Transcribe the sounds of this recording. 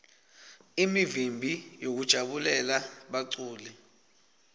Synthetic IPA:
imivimbʱijok̬ud̥ʒ̥ʱaɓulɛlaɓaǀuːli

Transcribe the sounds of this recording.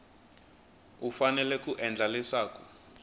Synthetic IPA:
ufanɛlɛkuʔɛnd͡ɮʱalɛsaːkɔ

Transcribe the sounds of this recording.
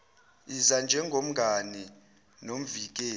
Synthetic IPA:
izand͡ʒʱɛŋɡʱom̩ɡʱani | nom̩vik̬ʼeː

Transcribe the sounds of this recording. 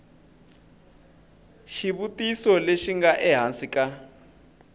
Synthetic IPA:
ʃiβutʼisɔleʃiŋɡaʔɛɦansikʼa

